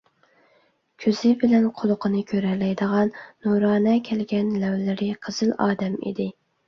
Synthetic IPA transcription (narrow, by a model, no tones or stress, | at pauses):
kʲʰøzɪbɪlɛnqʰolˠʊqʰənɨkʲʰøɾɛlɛjd̪əʁɑnːuɾɑːnɛkʲʰɛlɡʲɛnlæwlɪɾɪqʰəz̥ɨlɑːd̪ɛmḭd̪ɪ